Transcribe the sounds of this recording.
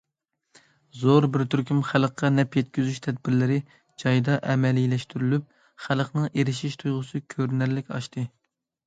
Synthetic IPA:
zoɾbɪɾt̪ʰyɾkʲʰymχælˠqːɑnɛpjɛt̪kʲyzyʃt̪ʰɛd̪̚bɪɾlɪɾɪ | d͡ʒɑjd̪ɑʔɛmɛlilɛʃt̪ʰyɾylyp̚ | χælˠqnɨŋeɾɪʃiʃt̪ʰujʁʊsɨkʲʰøɾnæɾlɪkʲɑ̰ʃt̪ʰɨ

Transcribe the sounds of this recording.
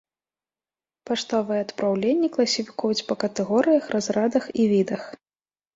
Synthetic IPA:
paʂt̪avɨjɛɐt̪pɾawlʲenʲːɐklˠɐsʲifʲi̥kujut͡sʲpɐkɐt̪ɛɣɔɾɨjɐxrʔazɾad̪ɐxivʲid̪ɐx

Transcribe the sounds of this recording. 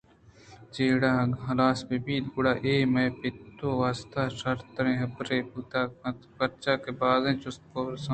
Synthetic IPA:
t͡ʃeːɽaːɦɐlaːsbebiːd̪ɡʊɽaːʔeːmɐːpɪt̪ːoːʋaːst̪aːʃɐɾt̪ɾẽːɦɐbɾeːpuːt̪aːpɐɾt͡ʃaːkebaːzẽːt͡ʃʊst̪̚koːɾsɐ

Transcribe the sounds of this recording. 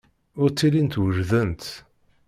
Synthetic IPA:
ʊɾt͡sːilint̪wəʒðənt̪

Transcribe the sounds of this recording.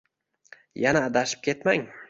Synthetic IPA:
janaːd̪aʃɪ̥p̚kʲʰe̞t̪maŋ

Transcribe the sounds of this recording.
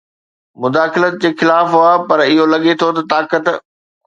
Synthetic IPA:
mʊd̪aːxɪlət̪̚d͡ʑeːxɪlaːfɦʊaːpɐɾɪɦolɐɠet̪ʰot̪ɐt̪aːkət̪

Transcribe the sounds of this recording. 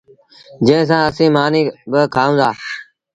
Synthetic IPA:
d͡ʒẽːs̬ãːəsĩːmaːniːbəkʰaːũːd̪aː

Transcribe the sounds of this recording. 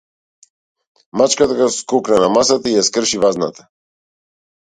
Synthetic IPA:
mat͡ʃkat̪aɡaskuknanamasat̪aijaskr̩ʃivaznat̪ḁ

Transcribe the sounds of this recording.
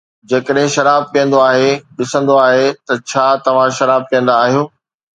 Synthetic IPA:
d͡ʑɐkəɗɦɪ̃ʃɐɾaːb̚kijə̃nd̪oaːɦeɗɪsə̃nd̪oaːɦet̪ɐt͡ɕʰaːt̪ɐʋ̤ãʃɐɾaːb̚kɐjə̃n̆d̪aːɦijoː

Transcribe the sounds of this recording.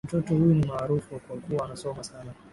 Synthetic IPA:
m̩tɔtɔhujunimaːɾufuakwakuwaːnasɔmasana

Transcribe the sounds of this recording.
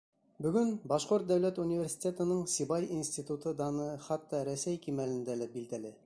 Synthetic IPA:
bɵ̆ɡɵnbɑʃqoɾt̪̚d̪æwlæt̪unʲivʲeɾsʲi̥t̪ʲet̪ɤ̆nɤɴsibɑjinsʲt̪ʲit̪ut̪ɤd̪ɑnɤχɑt̪ːɑɾæsæjkimælɘ̆nd̪ælæbild̪ælɘ

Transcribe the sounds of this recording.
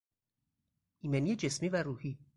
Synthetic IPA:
ʔiːmenijed͡ʒesmiːvæɾuːhiː

